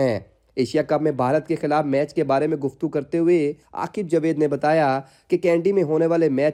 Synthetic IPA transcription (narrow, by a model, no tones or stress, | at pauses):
ɛ̃ː | eːʃijakɐbmẽbʱaːɾət̪kexɪlaːfmɛːt͡ʃkebaːɾemẽɡʊft̪ukɐɾt̪eɦʊea̰ːkɪb̚d͡ʒɐʋeːd̪nebɐt̪aːja | kekɛ̃ːɳɖimẽɦoːneʋaːlemɛː